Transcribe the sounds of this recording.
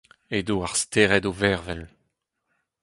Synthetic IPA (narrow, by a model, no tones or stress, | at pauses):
edoaʁst̪eːʁɛdovɛʁvɛl